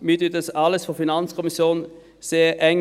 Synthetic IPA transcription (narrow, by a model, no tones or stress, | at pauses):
myt̪ʏt̪əsɑːləsfɔfɪnɑnskʰʊmɪsuːnn̩ | seːʔɛŋ